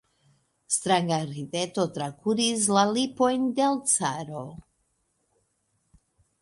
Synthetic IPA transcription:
st̪ɾaŋɡaɾideto̞tɾakuɾis̬lalipo̞jndelt͡saɾo̞

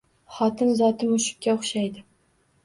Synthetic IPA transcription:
χɒt̪ʰɪnzɒt̪ʰɪmʊʃɪ̥kʲːaʊχʃajd̪ɪ

